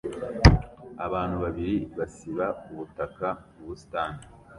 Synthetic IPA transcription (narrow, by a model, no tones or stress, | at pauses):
aβaːn̥huβaβiɾiβasiβauβutakauβusi̥taːni